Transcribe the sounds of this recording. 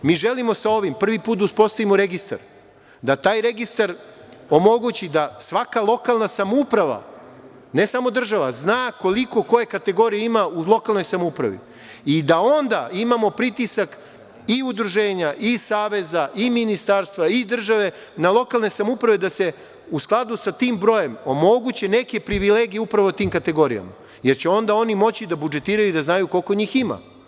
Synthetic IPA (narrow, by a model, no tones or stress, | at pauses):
miːʒe̞limo̞sao̞ʋimpr̩ʋipuːt̪uspo̞st̪aʋimoɾe̞ɡist̪a̰ɾ | d̪at̪aːjɾe̞ɡist̪aɾ | o̞mo̞ɡut͡ɕid̪asʋakalˠo̞kalˠnasamupɾaʋa̰ | ne̞samo̞d̪r̩ʒaʋa̰znaːko̞liko̞ko̞je̞kat̪e̞ɡo̞ɾijeimaulˠo̞kalˠno̞jsamoupɾa̰ʋḭ | id̪ao̞nd̪aimamo̞pɾit̪isak | iud̪ɾuʒe̞ːɲaʔisaːʋe̞zaʔiminist̪aɾst̪ʋaid̪r̩ʒaʋe̞ | nalˠo̞kalne̞samupɾaʋed̪ase̞ | usklˠad̪usat̪iːmbɾo̞je̞momo̞ɡut͡ɕe̞ne̞ke̞pɾiʋileːɡijeupɾaʋot̪iːmkat̪e̞ɡo̞ɾija̰ma̰ | je̞ɾt͡ɕeo̞nd̪ao̞nimo̞t͡ɕid̪abud͡ʒe̞t̪iːɾajuid̪aznajuko̞lko̞ɲiːxima̰